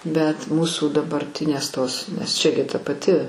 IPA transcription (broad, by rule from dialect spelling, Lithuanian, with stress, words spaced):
bʲɛt ˈmuːsuː dɐbɐrʲˈtʲɪnʲeːs ˈtoːs nʲɛs ˈt͡ʃʲɛ ɡʲɪ tɐ pɐˈtʲɪ